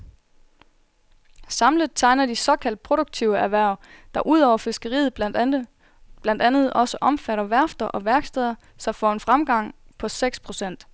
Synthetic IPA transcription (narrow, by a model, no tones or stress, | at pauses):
sɑ̈mləð̩ˠt͡sʰɑ̈ɪ̰nɐd̥isɒ̽kʰæl̰d̥̚pʰʁo̝ɾ̥oɡ̥̚t͡sʰiʊəæɐʋæɐ̰ʊ | d̥ɑ̈ʔuð̞̰ˠɒ̰ʊɐfe̝sɡ̥əʁḭːð̞̩ˠb | b̥lænd̥ænð̞̩ˠʔɒ̽səʔɒ̽mfæɾɐʋæɐfd̥ɐʔɒ̽ʋæɐɡ̥sd̥ɛðˠɐ | sɒ̽fɒe̝nfʁamɡ̥ɑ̈ŋ̰pʰɒ̽seɡ̥spʰʁo̝sen̰d̥